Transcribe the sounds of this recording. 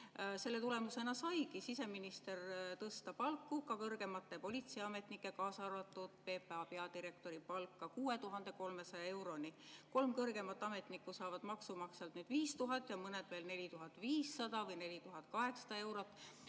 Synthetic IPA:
se̞lːe̞t̪ule̞muse̞nɑsɑjɡisise̞minist̪e̞rt̪ɤst̪ɑpɑlkːukɑkɤrɡ̥e̞mɑt̪ːˑe̞po̞lʲit̪siɑme̞t̪nikːˑe̞kɑːsɑrvɑt̪ːˑud̪̥̚pe̞ːpeɑpe̞ɑd̪iɾe̞k̚t̪o̞ɾipɑlkːˑɑkuːe̞t̪uɦɑnd̪̥e̞ko̞lme̞sɑjɑe̞wɾo̞niko̞lmkɤrɡe̞mɑt̪ːˑɑme̞t̪nikːˑusɑːvɑd̪̥mɑksumɑkselt̪nyːd̪̥viːst̪uɦɑt̪ːˑjɑmɤne̞d̪̥ve̞ːlne̞lʲit̪uɦɑt̪ːˑviːsːɑd̪̥ɑvɤjne̞lʲit̪uɦɑt̪ːˑkɑɦe̞ksɑ̥d̪̥ɑe̞wɾo̞t̪ːˑ

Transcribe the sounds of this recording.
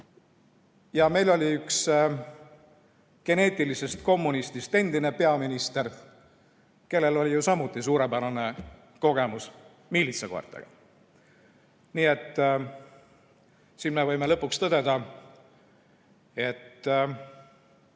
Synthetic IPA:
jɑme̞jlo̞lʲiyks | ke̞ne̞ːt̪ʲːˑilise̞st̪ko̞mːunist̪ist̪e̞nd̪̥ine̞pe̞ɑminist̪e̞r | ke̞lːe̞lo̞lʲijusɑmut̪ːˑisuːɾebæɾɑne̞ | ko̞ɡ̥e̞mus | miːlit̪seko̞̰rt̪ːḛɡ̥ɑ̰ | niːe̞t̪ː | sinmevɤjmelɤ̞pːˑukst̪ɤd̪̥e̞d̪̥ɑ | e̞t̪ː

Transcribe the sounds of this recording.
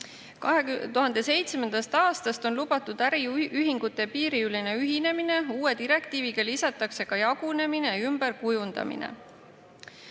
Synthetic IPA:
kɑɦet̪uɦɑnd̪̥e̞se̞jt̪sme̞nd̪̥ɑst̪ɑːst̪ɑst̪o̞nlubɑt̪ːˑud̪̥æɾiyɦiŋɡ̥ut̪ːˑe̞piːɾiyline̞yɦine̞mine̞uːwe̞d̪iɾe̞kt̪iːviɡɑlisɑt̪ːˑɑkse̞kɑjɑɡ̥une̞mineymb̥e̞ɾkujund̪ɑ̰mḭnḛ

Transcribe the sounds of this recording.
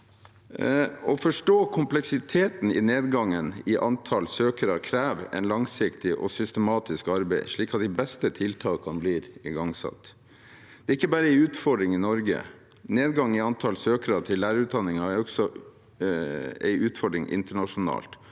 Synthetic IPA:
ɔfɔʂʈoːkʰʊmplɛksɪt̪ʰeːt̪n̩ɪ̰neːd̪ɡɑŋːənɪʔɑnt̪ʰɑlsøːkəɾɑkʰɾæːʋɛ̰ɪnlɑŋsɪkt̪ɪʔɔ̰sʏst̪əmɑːt̪ɪskɑɾbæɪʂɭiːkɑt̪̚d̪ɪbɛst̪ət̪ʰɪlt̪ʰɑːkɑnbliːɾɪɡɑŋsɑ̰t̪ː | d̪̥ɛːɪkːəbɑːɾəɛɪʉːt̪fɔɖɾɪŋɪnɔɾɡə̰ | neːd̪ɡɑŋːɪɑnt̪ʰɑlsøːkəɾɑt̪ʰɪlːæːɾəʉt̪̚d̪ɑnːɪŋɑæɾɔksɔ | ɛ̰ɪʔʉːt̪fɔɖɾɪŋʔɪ̰nt̪əɳɑʂʊnɑ̰ːlt̪

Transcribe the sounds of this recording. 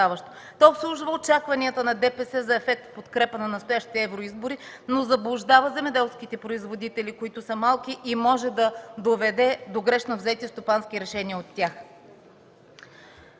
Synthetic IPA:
avəʃt̪o̥ | t̪ɔopslˠuʒvəot͡ʃakvɐniət̪ənɐd̪ɛpɛsɛzɐɛfɛk̚t̪pot̪kɾɛpənɐnɐst̪ojaʃt̪i̥t̪ɛɛvɾoizboɾi | nozɐblˠʊʒd̪avəzɛmɛd̪ɛlˠskit̪ɛpɾoizvod̪it̪ɛlikoit̪ʊsəmalˠkʲiʔimɔʒɛd̪ɐd̪ovɛd̪ɛd̪oɡɾɛʃnovzɛt̪ist̪opansk̟iɾɛʃɛniəot̪ːʲax

